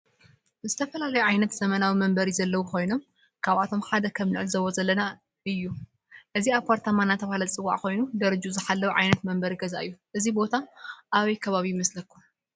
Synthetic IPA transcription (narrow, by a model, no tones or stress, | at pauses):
zɨt̪ʰɐfɐlalɐjuʕajnɐt̪z̥ɐmɐnawimɐmbɐɾizɐlːɐwukʰo̞jno̞m | kʰaβat̪ʰo̞mħad̪ɐkʰɐmnɨʕɨlzɐβozɐlːɐna | ɨjːu | ʔɨziaβkʰaɾt̪ʰamanat̪ʰɐβhalɐt͡sʼɨwːa̰ʕko̞jnud̪ɐɾɐd͡ʒuzɨħalːɐwʕa̰jnɐt̪mɐmbɐɾiɡɐzaʔɨjːuʔɨzibo̞t̪ʰaʔaβɐjkʰɐβaβimɐslɐkʰːu